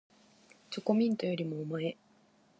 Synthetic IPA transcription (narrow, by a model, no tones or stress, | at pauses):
t͡ɕoko̞mʲĩnt̪o̞jo̞ɾʲimoːmae